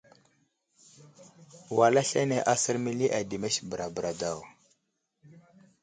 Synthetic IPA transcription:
wa˨la˦ɬa˦ne˨ʔa˦sə˦ɾmi˦li˦ʔa˨di˨me˦sbə˨ɾa˨bə˨ɾa˨da˦˨w

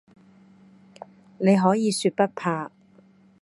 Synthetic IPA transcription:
ne˨˧jɦɔː˨˥jiː˨˧syː˧t̚pɐ˥t̚pʰaː˧

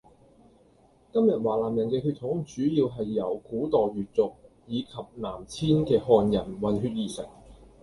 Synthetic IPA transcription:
kɐ˥mjɐ˨t̚waː˨laː˨˩mjɐ˨˩nkɛː˧ɦyː˧t̪̚ʰːʊ˨˥ŋt͡ʃyː˨˥jiː˧wɦɐ˨jːɐ˨˩wkuː˨˥t̪ɔː˨ɥyː˨t̚t͡sʊ˨k̚ | jiː˨˧kʰɐ˨p̚naː˨˩mt͡sʰiː˥nkɛː˧ɦɔː˧njɐ˨˩nwɐ˨nɦyː˧t̚jiː˨˩sɪ̰˨˩ŋ̚

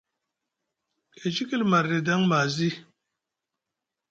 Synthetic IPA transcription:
e˨t͡ʃi˦ki˦lma˨ɾːe˨da˦ŋma˨zi˦

